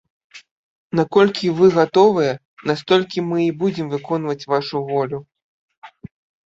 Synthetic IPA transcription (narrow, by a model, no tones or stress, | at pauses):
nakɔlʲkʲivɨɣat̪ɔvɨjɛ | nast̪ɔlʲkʲimɨibud͡zʲɛmvɨkɔnvɐt͡sʲvaʂuvɔlʲu